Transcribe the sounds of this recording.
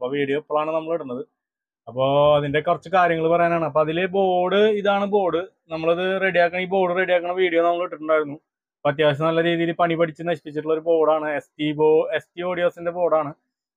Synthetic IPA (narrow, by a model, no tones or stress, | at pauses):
ɐpːoːʋiːɽijoːpːoɭaːɳɨnɐmːɐɭiɽunːɐðɨ | ɐpːo̞ːɐðinde̞kurɐt͡ɕːukaːɾjɐŋːɐɭpɐrɐjaːnaːɳɨɐp̬ːo̞ːɐðilebo̞ːɽɨiðaːɳɨbo̞ːɽɨ | nɐmːɐɭɐðɨre̞ɽijaːkːɐɳɐiːbo̞ːɽɨre̞ɽijaːkːɐɳːɐʋiːɽijoːnɐmːɐɭiʈːɨʈːuɳɖaːjiɾunːu | ɐpːoɐt̪jaːʋɐɕ̬ɐmnɐlːɐɾiːðijilpɐɳibɐʈʰit͡ɕːɨnɐɕipit͡ɕːiʈːuɭːo̞ɾubo̞ːɽaːɳɨestibːestio̞ːɽijo̞ːsinde̞bo̞ːɽaːɳɨ